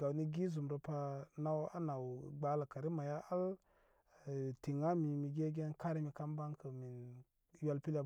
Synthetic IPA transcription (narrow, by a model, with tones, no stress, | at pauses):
ɡa˨wni˦ɡi˦zu˨mɾo˨pa˦na˦wa̰˦na˨wɡ͡ba˦la˨ka˨ɾi˦ma˨ja˦ʔa˦l | ti˨ŋa˦mi˨mi˨ɡe˦ɡe˦nka˦ɾi˦mi˨ka˦mba˦ŋkə˨mi˨n | ja˦lpi˦la˦